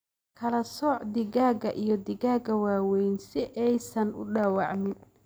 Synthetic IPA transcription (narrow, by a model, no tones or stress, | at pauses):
kʰɐlɐsɔːʕd̪ɪɣaːɡɐʔijɞd̪ɪɣaːɡɐwaːwɛjnsɪʔɛjsɐnʊ̰ɖɑːwɑʕmɪn